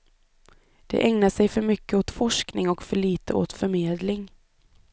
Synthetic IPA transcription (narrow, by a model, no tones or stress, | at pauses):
d̪̥ɛ̰ʔɛŋnaʂɛjfœɾmʏkːəoːt̪fɔʂknɪŋɔkfœɭiːt̪əʔo̰ːt̪fœɾmeːd̪lɪŋ